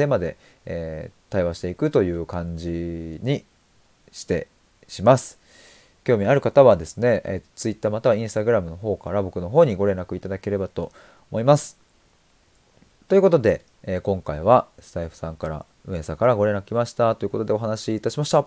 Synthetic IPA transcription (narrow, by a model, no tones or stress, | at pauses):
t̪e̞ːmad̪e̞ | eːt̪aiβaɕi̥t̪e̞ikɯ̟t̪o̞jɯ̟ːkãɲd͡ʑiɲ̟i | ɕi̥t̪e̞ | ɕimasɨ̥ | kʲo̞ːmʲiaɾɯ̟kat̪aβad̪e̞sɨne̞ʔet̪ːot͡sɨit̪ːaːmat̪aβaĩɰ̃st̪aɡɯ̟ɾamɯ̟no̞ɦo̞ːkaɾabo̞kɯ̟no̞ɦo̞ːɲ̟iɡo̞ɾe̞nakɯ̟it̪ad̪ake̞ɾe̞bat̪o̞ | mo̞imasɨ̥ | t̪oiɯ̟ko̞t̪o̞d̪e̞ː | kõ̞ŋkaiβa | sɨ̥t̪aiɸɯ̟̥sãŋkaɾa̰ | ɯ̟̃e̞sãŋkaɾaɡo̞ɾe̞nːakɯ̟kʲimaɕi̥t̪at̪o̞jɯ̟ko̞t̪o̞d̪e̞o̞ɦanaɕiːt̪aɕimaɕi̥t̪a